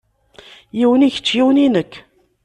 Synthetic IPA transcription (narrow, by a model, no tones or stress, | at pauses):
jəwniçt͡ʃːjiwninək